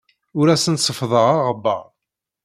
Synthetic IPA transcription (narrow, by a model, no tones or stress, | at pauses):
ʊɾæsənsəfðˤəʁaʁəbːə̰ʁ